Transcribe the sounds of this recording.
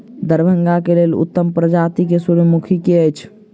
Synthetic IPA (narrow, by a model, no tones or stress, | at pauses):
d̪əɾbʱəŋɡakelelṵt̪ːəmpɾəd͡ʒat̪ikesuɾmukʰikeəjt͡ʃʰ